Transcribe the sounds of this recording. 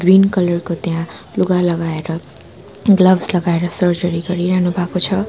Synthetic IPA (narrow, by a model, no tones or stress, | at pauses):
ɡrinkʌlʌrkot̪jãluɡalʌɡaeɾʌ | ɡlʌbslʌɡaeɾʌsʌɾd͡ʒʌɾiɡʌɾiɾaɦnubʱakot͡sʰʌ